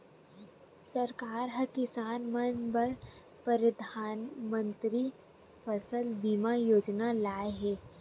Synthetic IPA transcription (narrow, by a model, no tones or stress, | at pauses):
sɐɾkaːɾɦɐkɪsaːnmənbɐɾ | pəɾəd̪ʱaːnmə̃nt̪ɾi | fəsəlbimajoːd͡ʒnalaːeɦɛː